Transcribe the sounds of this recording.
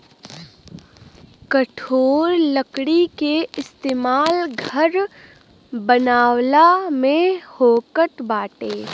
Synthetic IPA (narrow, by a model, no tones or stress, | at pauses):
kəʈʰoːɾləkɽikeɪst̪eːmaːlɡʱəɾ | bənaːwlamẽhoːkəʈbaːʈeː